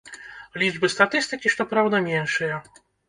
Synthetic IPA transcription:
lʲid͡ʐbɨst̪at̪ɨst̪ɨkʲiʂt̪ɔpɾawd̪ɐmʲɛnʂɨjɐ

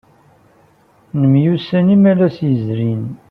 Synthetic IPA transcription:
nəmjusænimælæsjəzɾin

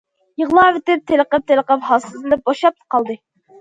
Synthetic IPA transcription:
jəʁlˠɑːvɪt̪ɪp̚t̪ʰeləqəp̚t̪ʰeləqəphɑsɨzɨnɨp̚boʃɑp̚t̪qʰɑlˠd̪ɨ

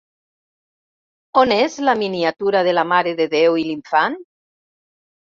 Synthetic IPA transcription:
onezlaminiat̪uɾaðelamaɾeðeðewiliɱfan

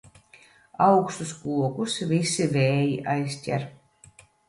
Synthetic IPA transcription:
awkst̪uskuɔkusvʲisʲːivʲeːjiʔajsʲt̪ʲæ̰ɾ

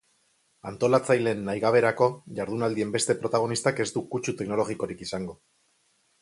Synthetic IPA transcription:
ant̪o̞lat͡sajle̞nːajɣaβ̞e̞ɾako̞ʝaɾðunald̪ie̞mbe̞st̪e̞pɾo̞t̪aɣ̞o̞nist̪ake̞zt̪ukut͡ʃut̪e̞kno̞lo̞ɣiko̞ɾikisaŋɡo̞

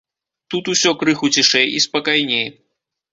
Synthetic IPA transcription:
t̪ut̪usʲɔkɾɨxut͡sʲiʂɛjispɐkajnʲej

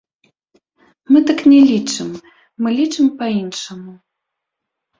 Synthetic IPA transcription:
mɨt̪ɨknʲɛlʲit͡ʂɨmː | ɨlʲit͡ʂɨmpɐinʂɐmu

